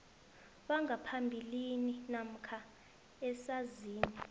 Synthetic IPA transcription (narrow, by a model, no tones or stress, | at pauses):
ɓaŋapʰambʱilininam̩kʰa | ɛsaziːni